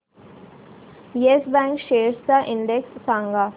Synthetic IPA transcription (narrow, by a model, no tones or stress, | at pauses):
iesbɛ̃ːŋkʃeːɾsd̪əʔɪ̃ɳɖeksːãːŋɡaː